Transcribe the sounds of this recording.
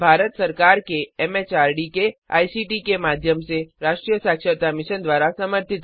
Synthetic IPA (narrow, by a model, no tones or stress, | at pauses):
bʱaːɾət̪səɾkaːɾkeɛmet͡ʃaːɾɖikea̰ːisiʈikemaːd̪ʱjəmseɾaːʃʈɾijəsaːkʃət̪amɪʃənd̪ʋaːɾasəməɾt̪ɪt̪